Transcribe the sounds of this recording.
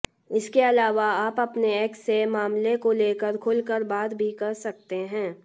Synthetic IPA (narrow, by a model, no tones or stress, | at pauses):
ɪskeɐlaːʋaaːpɐpneɛːksːemaːmlekoleːkəɾkʰʊlkəɾbaːd̪bʱikɐɾsɐk̚t̪eɦɛ̃ː